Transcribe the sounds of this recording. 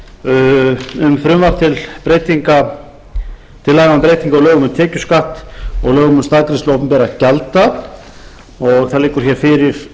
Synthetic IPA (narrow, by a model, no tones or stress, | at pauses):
ʏmfɾʏmvar̥t̪ʰɪlpɾeːjt̪iŋka | t̪ʰɪlːaːɣaamp̬ɾejt̪iŋkaɔɣlœːɣʏmʏmt̪ʰɛːcʏskaht̪ɔɣlœːɣʏmʏmst̪aðkɾɪslowpʏmpɛːɾacalt̪a | ɔɣθalejkʏɾ̥çɛɾ̥fɪɾɪɾ̥